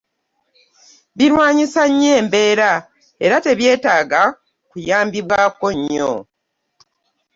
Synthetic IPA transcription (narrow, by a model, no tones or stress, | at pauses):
βiɾwaːɲisaɲːe̞ːmbe̞ːɾa | e̞ɾate̞βje̞ːtaːɡa | kujaːmbiβwaːko̞ɲːo̰